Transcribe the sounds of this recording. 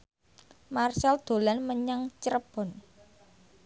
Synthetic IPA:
marsald̪̥o̤lanməɲaŋt͡ʃəɾəb̥ɔ̤n

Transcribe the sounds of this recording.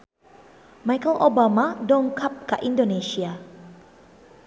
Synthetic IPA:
majkəlʔobamadɔŋkʰap̚kaʔindonesia

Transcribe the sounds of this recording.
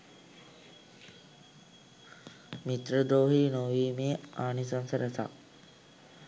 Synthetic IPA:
mit̪ɾəd̪oːɦiːnoʋiːmeːaːnisɐnsəɾesa̰

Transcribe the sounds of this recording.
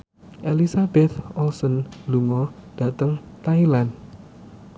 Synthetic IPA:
ʔelisabɛt̪̚ɔlsənluŋɔd̥a̤t̪əŋt̪ailan

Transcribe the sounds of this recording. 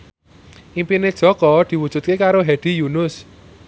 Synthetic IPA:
ʔimpine̥ʒ̥ɔ̤kɔd̪̥i̤wud̥ʒ̥ṳt̪̚kekaɾoɦɛd̪̥i̤junʊs

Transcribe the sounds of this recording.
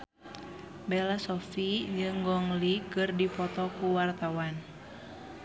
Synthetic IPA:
bɛlasɔfid͡ʒɨŋɡɔŋlikɨrdipɔt̪ɔkuwart̪awan

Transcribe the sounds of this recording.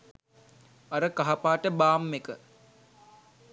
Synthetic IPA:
aɾəkaɦapaːʈəbaːmːekə

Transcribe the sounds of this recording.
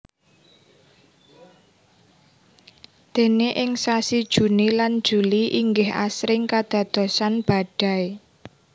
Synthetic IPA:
d̪̥e̤neʔɪŋsasid̥ʒ̥ṳniland̥ʒ̥ṳliʔiŋɡɪha̰sɾɪŋkad̪̥ä̤d̪̥o̤sanb̥a̤ɖ̪̥ä̤e

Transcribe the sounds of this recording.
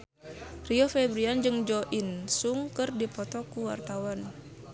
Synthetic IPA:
riɔfɛbɾiand͡ʒɨŋd͡ʒɔʔinsuŋkərdipɔt̪ɔkuwa̰rt̪awan

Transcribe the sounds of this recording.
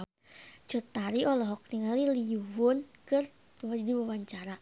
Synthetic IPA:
t͡ʃɔt̪aɾiʔɔlɔɦɔk̚niŋaliliuwʊnkɨr | wdiwawaɲt͡ʃaɾa

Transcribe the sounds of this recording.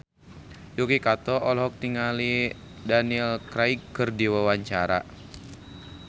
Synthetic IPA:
jukikat̪ɔɔlɦɔk̚t̪iŋali | danilkɾaikːɨrdiwawaɲt͡ʃaɾa̰

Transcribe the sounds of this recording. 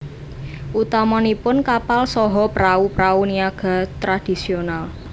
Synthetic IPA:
ʔut̪amɔnipʊnkapalsɔɦɔpɾaupɾauniaɡ̥a̤t̪ɾad̥i̤sional

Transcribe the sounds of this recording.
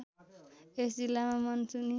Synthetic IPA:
es̬d͡zilːamamʌnsuni

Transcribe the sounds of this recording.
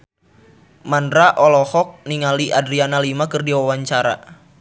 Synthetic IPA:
mandɾaʔɔlɔhɔk̚niŋaliʔadɾianalimakɨrdiwawaɲt͡ʃaɾa̰

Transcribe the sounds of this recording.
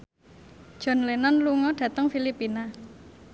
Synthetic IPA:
d̥ʒ̥ɔ̤nlenanluŋɔɖ̥ä̤t̪əŋfilipina

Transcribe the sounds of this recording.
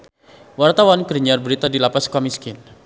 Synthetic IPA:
wart̪awankəɾəɲarbəɾit̪adilapaskamiskɪn

